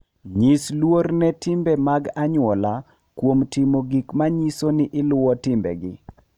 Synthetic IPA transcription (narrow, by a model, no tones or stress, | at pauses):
ɲislwornɛtɪmbɛmaɡaɲʊɔla | kwomtimoɡikmaɲisonɪʔɪlʊwɔtɪmbɛ̰ɡɪ̰